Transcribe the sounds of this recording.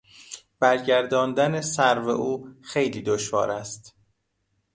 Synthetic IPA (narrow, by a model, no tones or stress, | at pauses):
b̥æɾɟæɾd̪ɒːnd̪ænesæɾvḛʔuːxe̞jliːd̪oʃvɒ̰ːɾæst̪